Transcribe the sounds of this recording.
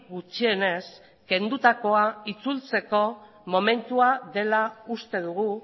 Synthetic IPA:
ɣut͡ʃie̞ne̞s | ke̞nd̪ut̪ako̞ait͡sult͡se̞ko̞ | mo̞me̞nt̪uaðe̞laust̪e̞ðuɣu

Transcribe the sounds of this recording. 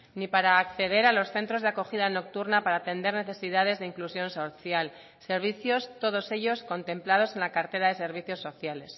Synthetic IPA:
nipaɾaːkθe̞ðe̞ɾalo̞sθe̞nt̪ɾo̞zðeako̞xiðano̞k̚t̪uɾnapaɾaːt̪e̞nd̪e̞ɾne̞θe̞siðað̞e̞zðeiŋklusjo̞nsoθjal | se̞ɾβ̞iθjo̞st̪o̞ð̞o̞se̞ʎo̞sko̞nt̪ẽ̞mplað̞o̞se̞nlakaɾt̪e̞ɾaðe̞se̞ɾβ̞iθjo̞sːo̞θjale̞s

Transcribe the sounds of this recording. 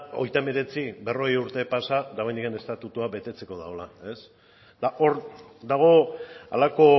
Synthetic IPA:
o̞jt̪ame̞ɾe̞t͡sibe̞ro̞ɣejuɾt̪e̞pasad̪aβ̞jnd̪ikane̞st̪at̪ut̪uabe̞t̪e̞t͡se̞ko̞ð̞aolae̞s | d̪̥aʔo̞ɾ | d̪aɣ̞o̞a̰lako̞

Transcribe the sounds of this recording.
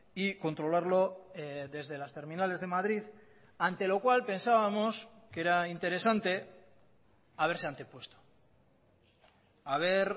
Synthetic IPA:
iko̞nt̪ɾo̞laɾlo̞ðe̞zðe̞last̪e̞ɾmĩnale̞zðe̞maðɾið | ant̪e̞lo̞kwalpe̞nsaβamo̞ske̞ɾaint̪e̞ɾe̞sant̪e̞ | aβe̞ɾse̞ant̪e̞pwe̞st̪o̥ | aβ̞e̞ɾ

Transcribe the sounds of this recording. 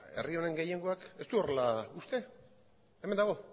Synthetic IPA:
e̞̰rio̞ne̞ŋɡejeŋɡo̞ake̞st̪uo̞re̞laust̪e̞ | emend̪aɣ̞o̞

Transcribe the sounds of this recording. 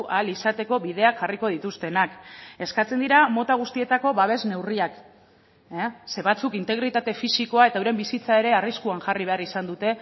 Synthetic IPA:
ʔalisat̪e̞ko̞βiðe̞akʝariko̞ðit̪ust̪e̞nake̞skat͡se̞nd̪iɾamo̞t̪aɣ̞ust̪ie̞t̪ako̞βaβ̞e̞zne̞wriak | seβat͡sukint̪e̞ɣɾit̪at̪e̞fisiko̞ae̞t̪auɾe̞mbisit͡sae̞ɾe̞ariskuaŋʝariβe̞arisand̪ut̪e̞

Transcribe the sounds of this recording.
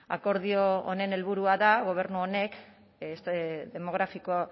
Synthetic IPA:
a̰ko̞ɾðio̰ːne̞ne̞lβuɾuaðaɣ̞o̞β̞e̞ɾnuone̞kː | st̪ðe̞mo̞ɣ̞ɾafiko

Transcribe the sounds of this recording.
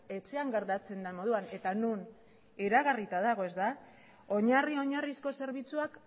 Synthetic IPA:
e̞t͡se̞aŋɡaɾt̪at͡se̞nd̪amo̞ðuane̞t̪anun | iɾaɣarit̪aðaɣ̞o̞e̞zd̪a | o̞ɲario̞ɲarisko̞se̞ɾβit͡suak

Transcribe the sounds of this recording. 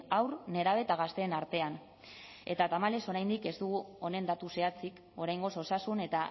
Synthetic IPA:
awrne̞ɾaβ̞e̞t̪aɣ̞ast̪e̞ːnaɾt̪e̞an | e̞t̪at̪amale̞so̞ɾajnd̪ike̞zt̪uɣuo̞ne̞nd̪at̪use̞at͡sik | o̞ɾajŋɡo̞so̞sasune̞t̪a

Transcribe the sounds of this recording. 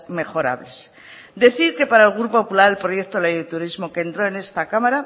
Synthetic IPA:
me̞xo̞ɾa̰βle̞s | d̪e̞θiɾke̞paɾaelɣ̞ɾupopulaɾe̞lpɾo̞je̞k̚t̪olejðet̪uɾizmo̞kent̪ɾo̞e̞ne̞st̪akamaɾa

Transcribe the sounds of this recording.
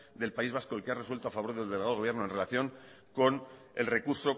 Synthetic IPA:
d̪e̞lpaizβ̞asko̞elke̞areswe̞lt̪oafaβo̞ɾðelðeleað̞ɣo̞βjeɾno̞enre̞laθjo̞ŋ | ko̞n | e̞̰lre̞kuɾso̞

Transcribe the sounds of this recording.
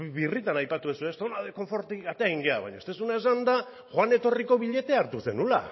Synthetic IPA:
βirit̪anajpat̪uesue̞st̪onaðeko̞ɱfo̞ɾt̪iɡat̪eaɣiŋɡeaβa̰jɲaest̪e̞sunaesand̪a | xoane̞t̪o̞riko̞βiʎe̞t̪e̞aɾt̪use̞̰nula̰

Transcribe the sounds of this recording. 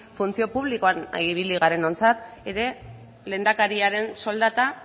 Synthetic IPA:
funt͡sio̞puβ̞likoana̰iβiliɣ̞aɾe̞no̞nt͡sat̪e̞ɾe̞ | le̞ːnd̪akaɾiaɾe̞nso̞ld̪at̪a

